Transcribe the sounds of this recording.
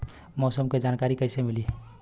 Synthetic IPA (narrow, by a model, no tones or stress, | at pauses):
mɔsəmked͡ʒankaɾikəɪsemili